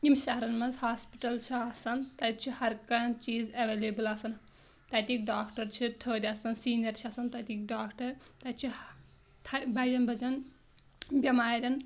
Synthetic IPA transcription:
imʃɐɦɾɐnmɐzhaːspiʈɐlt͡ʃʰiaːsɐnt̪ɐt͡ʃʰihɐɾkɐnt͡ʃiːzɐʋeːleːbɨlasɐn | t̪ɐt̪ik̚ɖaːkʈɐɾt͡ʃʰit̪ʰoːd̪ʲaːsɐnsiːnjɐɾt͡ʃʰiɐsɐnt̪ɐt̪ik̚ɖaːkʈɐɾt̪ɐt͡ʃʰi | t̪ʰɐbɐːɽʲɐnbɐd͡ʒɐn | bʲɐmaːɾʲɐn

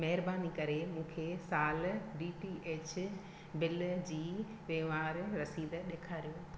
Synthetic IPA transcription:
mɐɦɪɾbaːnikɐɾemũːkʰesaːlɖiːʈiʔeːt͡ɕ | bɪld͡ʑiː | ʋeːʋaːɾːɐsiːd̪ɗeːkʰaːɾijoː

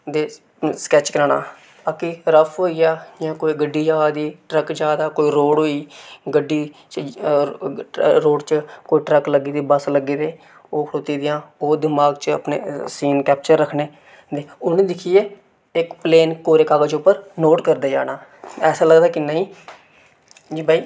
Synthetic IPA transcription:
d̪eː | skɛːt͡ʃkəɾaːna̰ː | akiɾəpʰɦoːiːjaːd͡ʒãːkoːiːɡəɖːiːd͡ʒaːd̪iːʈɾəkd͡ʒaːd̪aːkoːiːɾoːɽɦoːiːɡəɖiːt͡ʃ | ɾoːɖt͡ʃkoːiːʈɾəkləɡiːd̪iːbəsləɡiːd̪eː | oːkʰɽoːt̪iːd̪ɪjãːoːd̪ɪmaːɡt͡ʃəə̰pnḛːsiːnkɛːp̚t͡ʃəɾːəkʰneː | d̪eːʊnẽːd̪ɪkʰieː | ɪkpleːnkoːɾeːkaːɡəd͡ʒʊpːəɾnoːʈkəɾd̪aːd͡ʒa̰ːnaːɛːsaːləɡd̪aːkɪnaːɦĩː | d͡ʒiːbaːiː

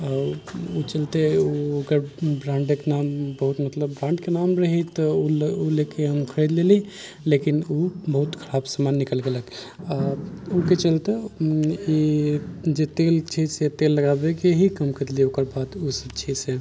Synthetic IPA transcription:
aut͡ʃəlt̪euəkəɾbɾãɳɖekenambəɦut̪mət̪ləbːɾãɳɖkenamɾəɦit̪ɔuolekeɦəmkʰəɾed̪leli | lekinobəɦut̪kʰəɾabsamanːikəlɡelək | aoket͡ʃəlt̪e | i | d͡ʒet̪elt͡ʃʰiset̪elːəɡabekeɦikəmkʰəɾd̪liokəɾbad̪usəb̚t͡ʃʰise

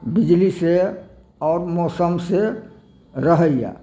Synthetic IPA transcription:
bid͡ʒlise | ɔːɾmɔːsəmse | ɾəɦəjja̰

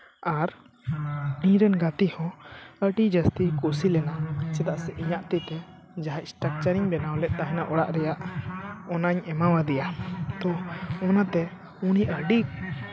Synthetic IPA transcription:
aɾ | iɲɾɛnɡat̪ihɔ̃əɖid͡ʒəst̪ikusilɛnat͡ʃɛd̪aʔsɛʔiɲaʔt̪ɛt̪ɛ | d͡ʒaɦac̚sʈak̚t͡ʃaɾiɲbɛnawlɛc̪̚ˀt̪aɦɛ̃naʔɔɽa̰ʔɾɛjaʔɔnaɲɛmawad̪ɛjat̪ɔɔnat̪ɛ | uɽiʔəɖik

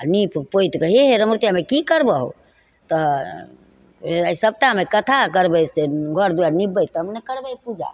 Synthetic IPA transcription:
anippoit̪kəɦiɦeɾəmɾut̪jamekikəɾbəɦo̰ | t̪ə | isəb̚t̪amekət̪ʰakəɾbɛseɡʱɔɾd̪ujanibəjt̪əmnekəɾbɛjpud͡ʒa̰

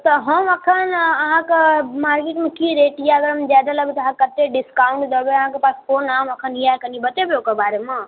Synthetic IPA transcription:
t̪ɐɦɐmɐkʰənɐɦãkemaːɾkɪʈmẽkiɾeːʈaɐɡəɾɐmd͡ʒaːd̪alɐbt̪ɐɦãkɐt̪eɖɪskaːʊ̃ɳʈd̪obeɐɦãkepaːspoːnaːmɐkʰənijaːkɐnibɐt̪ebijokɐbaːɾemãː

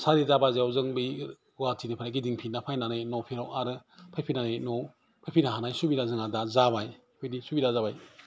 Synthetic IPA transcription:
saɾizabazeawzɯŋbij | watʰinɯpʰanaɡidiŋpʰinapʰajnanɯjnɔpʰiɾawaɾɯpʰajpʰinanejnɔ | pʰajpʰinaɦanajsubiɾazɯŋadazabaj | pʰɯjdisubiɾazabaj

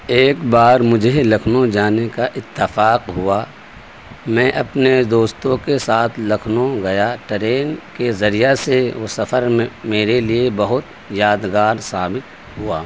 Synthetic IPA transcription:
eːkbaːɾmʊd͡ʒʱelɐkʰnod͡ʒaːnekaʔɪt̪ːɪfaːqɦʊa | mɛ̃ːʔɐpned̪oːst̪õkesaːt̪ʰlɐkʰnoɡɐjaʈəɾeːnkezɐɾijaseʋosɐfəɾẽmeːɾeliebɐɦʊt̪ | jaːd̪ɡaːɾsaːbɪt̪ | ɦuaː

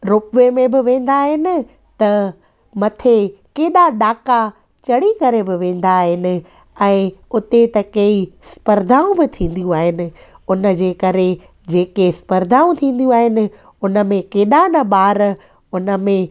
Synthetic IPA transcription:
ɾʊpʋemẽbɪʋẽːn̆d̪aːɦɪnɪ̆ | t̪ɐ | mɐt̪ʰekeːɗaɗaːka | t͡ɕɐɽikɐɾebɪʋẽːn̆d̪aːɦɪnɪ̆ | ɛ̃ːʊt̪et̪ɐkɐispɐɾd̪ʱaːũbɪt̪ʰĩːn̆d̪ijũaːɦɪnɪ̆ | ʊnəd͡ʑeːkɐɾe | d͡ʑeːkespɐɾd̪ʱaːũt̪ʰĩːn̆d̪jũaːɦɪnɪ̆ | ʊnə̆mẽkeːɗanɐɓaːɾ | ʊnə̆mẽ

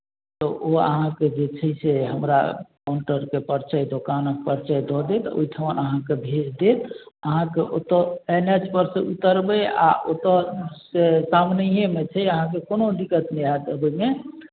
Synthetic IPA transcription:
t̪ɔʔoə̰ɦãked͡ʒet͡ʃʰəjseɦəmɾa̰maɳʈəɾkepəɾt͡ʃəjd̪okanək̚pəɾt͡ʃəjd̪ʱɔd̪et̪o̰iʈʰəʋənəɦãkebʱed͡ʒd̪et̪əɦãkeʔot̪əenet͡ʃpəɾseut̪əɾbɛa̰ʔot̪əsesamnəɦemet͡ʃʰɛəɦãk̬ekonod̪ikət̪nɛat̪əbəjme

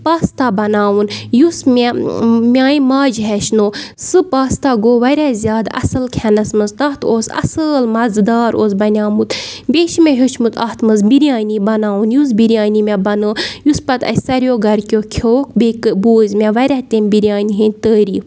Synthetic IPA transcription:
paːst̪aːbɐnaːwunjusmʲemʲaːĩmaːd͡ʒɦɛʃnoːsɨpaːst̪aːɡoːʋɐɾʲaːzʲjaːd̪ɐ̰sɨlkʰɛnɐsmɨnzt̪ɐːt̪ʰoːsɐ̰səlmɐzd̪aːɾoːsbɐnʲaːmut̪beːʃimeɦot͡ʃʰmut̪ɐːt̪ʰmɨzbiɾjaːnibɐnaːwunjus̬biɾjaːnimʲebɐnəːjuspɐt̪ɐ̰jsɐɾjoːɡɐɾkʲjoːkʲʰoːk̚bekboːzʲmʲeʋɐɾʲaːt̪eːmbiɾjaːniɦinʲt̪əːɾiː

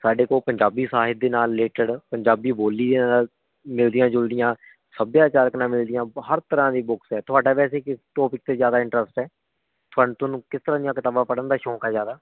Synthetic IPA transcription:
saːɖeːkoːpəɲd͡ʒaːbiːsaːɦɪt̪̚d̪eːnaːlːeːʈəɖpəɲd͡ʒaːbiːboːliːd̪eːnaːl | mɪld̪ɪjãːd͡ʒʊld̪ɪjãː | səbjaːt͡ʃaːɾəknãːmɪld̪ɪjãːhəɾt̪əɾãːd̪iːbʊksɛːt̪ʊaːɖaːbɛːseːkɪʈɔːpɪk̚t̪eːzjaːd̪aːɪ̃ɳʈɾəsʈɛː | t̪ʰʊaːɳt̪oːnũːkɪst̪əɾãːd̪ijãːkət̪aːbãːpəɽənd̪aːʃɔ̃ːkaːzjaːd̪aː

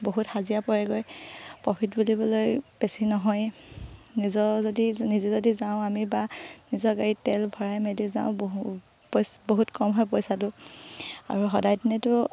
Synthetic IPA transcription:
boɦuthazijapɔɹɛɡojpɔpʰitbulibɔlojbesinɔɦɔj | nizɔzodinizɛzodizaʊ̃amibanizɔɡaɹitɛlbʱɔɹajmedizã̰ʊ̃b | psboɦutkɔmɦɔjp̬ɔjsat̬ʊ | a̰ɹuxɔdajtinɛtʊ

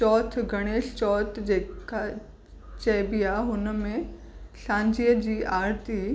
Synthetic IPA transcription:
t͡ɕɔːt̪ʰɡɐɽ̃eːʃt͡ɕɔːt̪ʰd͡ʑeːka | t͡ɕɐbijaɦʊnəmẽ | ɬãːɲd͡ʑiːəd͡ʑiːʔaːɾt̪i

